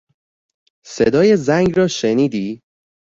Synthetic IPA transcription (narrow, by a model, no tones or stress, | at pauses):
sed̪ɒːje̞zæŋɡrɒːʃeniːd̪iː